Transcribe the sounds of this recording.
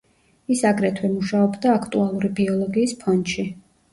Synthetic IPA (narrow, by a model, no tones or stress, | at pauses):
isaɡɾɛt̪ʰwɛmuʃaɔbd̪aːkʰt̪ʼualˠuɾibiɔlˠɔɡiːspʰɔnʃi